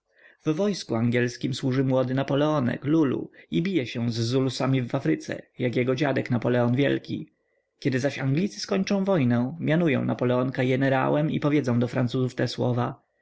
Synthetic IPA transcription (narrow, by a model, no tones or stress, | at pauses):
vːɔjskuaŋɡʲɛlskʲimswuʐɘmwɔd̪ɘnapɔlɛɔnɛ̰klulṵibʲijɛɕɛzːulusamʲivafɾɘt̪sɛ̰jakjɛɡɔd͡ʑad̪ɛknapɔlɛɔnvʲjɛ̰lkʲḭ | kʲɛd̪ɘzaɕaŋɡlʲit̪sɘ̥skɔɲt͡ʂɔ̃w̃vɔjnɛ̃mʲjanujɔ̰̃w̃napɔlɛɔŋkaɡɛnɛɾa̰wɛmḭpɔvʲjɛd̪zɔ̃w̃d̪ɔfɾant̪suzuft̪ɛswɔ̰va